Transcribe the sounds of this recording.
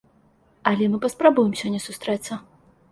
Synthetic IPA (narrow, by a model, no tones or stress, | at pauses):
ɐlʲɛmɨpɐspɾabujɛmsʲɔnʲɛsust̪ɾɛt̪sːɐ